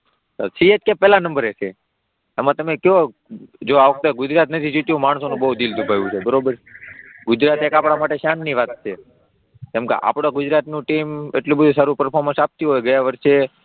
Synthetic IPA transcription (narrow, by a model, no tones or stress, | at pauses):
sə̰ɾsietkepɛlãnəmbəɾet͡ʃʰeː | mãt̪əmekjo | d͡ʒoaʋək̚ʰt̪oɡʊd͡ʒɾat̪nət̪ʰid͡ʒit̪jũmaɳ̃sonũbəɦud̪ild̪ʱubʱajʋũt͡ʃʰebəɾobəɾɡʊd͡ʒɾat̪ekapɽ̃amaʈeʃanːiʋat̪̚t͡ʃʰe | t̪emkḛʔa̰pɽ̃oɡʊd͡ʒɾat̪nũʈimḛʈlubəd̪ʱusaɾupəɾpʰoɾmə̃nsap̚t̪jũɦojɡəjaʋəɾʃe